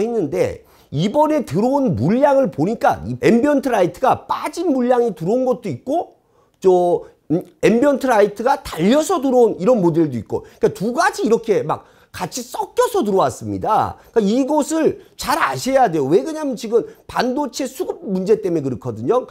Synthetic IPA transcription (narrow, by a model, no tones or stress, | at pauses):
henːɯnde̞̰ | ibʌne̞tɯɾounmuʎːaŋɯɭpoɲik͈a̰ie̞mbiʌntʰɯɾaitʰɯɡap͈ad͡ʑinmuʎːaŋituɾonɡʌt̚t͈oit̚k͈o | t͡ɕʌ | embiʌntʰɯɾaitʰɯɡataʎːʌsʰʌtuɾouniɾʌnmodɯɭdoit̚k͈o̰ik͈atuɡad͡ʑiːɾʌkʰe̞ma̰k̚ | k͈at͡ɕʰis͈ʌk͈̚jʌsʰʌtuɾowas͈ɯmɲḭda̰k͈aiɡosʰɯɭt͡ɕaɾa̰ɕʰe̞jadwe̞jowe̞ɡɯɲamɯnt͡ɕiɡɯmpandot͡ɕʰe̞sʰuɡɯp̚mund͡ʑe̞t͈e̞mekɯɾɯkʰʌdɯɲo